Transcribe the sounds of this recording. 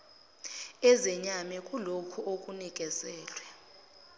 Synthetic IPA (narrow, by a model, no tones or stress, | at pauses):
ɛzɛɲamɛkʼulokʰuʔok̬ʼunik̬ʼɛzɛːlwɛ